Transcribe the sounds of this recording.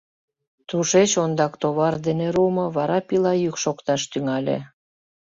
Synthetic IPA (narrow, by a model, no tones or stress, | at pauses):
t̪ɾuʃet͡ɕond̪ɑkt̪oβɑrd̪eneɾumɤ̆βɑɾɑpilɑjykʃokt̪ɑʃt̪yŋɑlʲḛ